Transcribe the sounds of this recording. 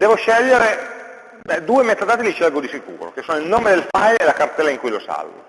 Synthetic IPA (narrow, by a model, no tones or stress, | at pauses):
d̪ɛːvoʃɛʎːeɾe | bɛd̪uːemet̪ːad̪at̪ilit͡ʃɛlɡod̪isikṵːɾo̰kesoːnoilnoːmed̪elfajlelakart̪ɛːlaiŋkujlosa̰lvo̰